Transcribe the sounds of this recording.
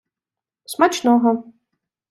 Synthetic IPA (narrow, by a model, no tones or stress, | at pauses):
smat͡ʃnɔɦɔ